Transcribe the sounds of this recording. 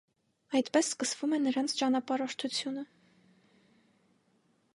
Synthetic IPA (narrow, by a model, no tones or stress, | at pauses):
ɑjt̪pɛsːkəsv̥umɛnəɾɑnt͡sʰt͡ʃɑnɑpɑɾɔʃt̪ʰut͡sʰjunə